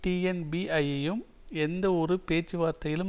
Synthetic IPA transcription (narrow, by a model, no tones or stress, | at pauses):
ʈiːɛnbiʔɐjɐjɯm | ɛnd̪ɐɔɾɯpeːt͡ʃːɯʋaːɾt̪ɐjɪlɯ